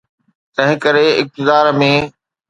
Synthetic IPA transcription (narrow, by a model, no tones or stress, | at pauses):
t̪ɐ̃ɦɪ̃kəɾeɪ̰k̚t̪ɪzaːɾmẽː